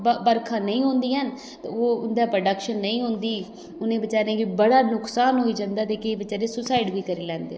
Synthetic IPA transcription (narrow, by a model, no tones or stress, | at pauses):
bbəɾkʰãːnəĩːɦõːnd̪iːɦən | oːʊnd̪aːpɾəɖəkʃənːəĩːɦʊ̃ːnd̪iː | ʊnẽːbət͡ʃaːɾẽːɡibəɽaːnʊksaːnɦoːiːd͡ʒãːnd̪aːt̪eːkebət͡ʃaːɾeːsʊsaːɪɖbiːkəɾeːlɛ̃ːnd̪ḛː